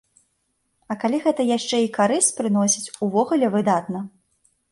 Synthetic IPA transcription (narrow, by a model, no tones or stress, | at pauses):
ɐkalʲiɣɛt̪ɐjaʂt͡ʂɛikaɾɨsʲt͡sʲpɾɨnɔsʲit͡sʲuvɔɣulʲɛvɨd̪at̪̚nɐ